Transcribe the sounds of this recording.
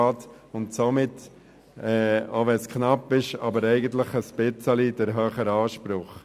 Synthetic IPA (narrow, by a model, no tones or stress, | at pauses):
ɑːt | ʊntsomɪtː | ɛːoʋɛnskʰnɑpːɪʃɑ̰bəɾɛɪɡənt̪̬ləχəsb̥ɪt͡səlid̥əɾɦœːχəɾɑːʃpɾʊχ